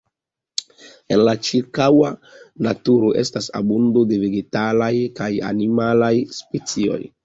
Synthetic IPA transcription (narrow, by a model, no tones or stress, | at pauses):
e̞nlat͡ʃiɾkawanatuɾo̞ʔe̞̰stasa̰bundo̞de̞veɡe̞talajkaja̰nimalajspet͡sio̞̰j